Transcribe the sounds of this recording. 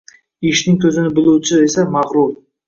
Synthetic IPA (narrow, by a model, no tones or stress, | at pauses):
ɪʃnɪŋk̪ʲʰɵzɪnɪbɪluwt͡ʃʰɪesamaʁɾul